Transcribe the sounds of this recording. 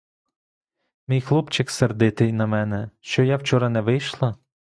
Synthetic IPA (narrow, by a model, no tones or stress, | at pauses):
mijxlˠupt͡ʃɪkserd̪ɪt̪ɪjnɐmɛnɛʃt͡ʃɔjawt͡ʃɔɾɐnɛʋɪjʃlˠɐ